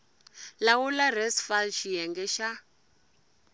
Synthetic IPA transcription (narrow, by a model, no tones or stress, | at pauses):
lawularɛsfalʃijɛŋɡɛʃa